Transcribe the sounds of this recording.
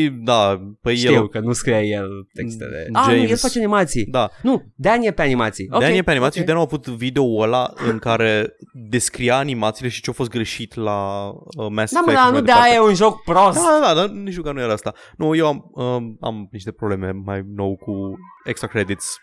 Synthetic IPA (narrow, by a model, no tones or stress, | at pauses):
id̪apəjeiwkənuskɾiajelt̪ekst̪ḛlḛad͡ʒejelfat͡ʃeanimat̪sid̪anud̪eanijepeanimat̪sidok̪aniepeanimat̪iiʃid̪anjawavut̪vid̪eoəlaɨŋkaɾe̞d̪e̞skɾiaːnimat̪sile̞ʃi̥t͡ʃeawfo̞s̬t̪̚ɡɾe̞ʃit̪laəmɛstd̪amanud̪eajeunʒok̚pɾosd̪ad̪ad̪ad̪aniʃt̪ukanujeɾaast̪a | nuje̞waməa̰mniʃt̪e̞pɾoble̞me̞majno̞wkuekst̪ɾakɾed̪it̪s